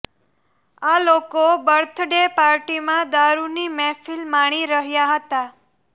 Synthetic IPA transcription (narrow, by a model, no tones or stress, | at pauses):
alokobəɾt̪ʰɖepaɾʈimãd̪aɾunimɛfilmaɽ̃iɾəɦjaɦət̪a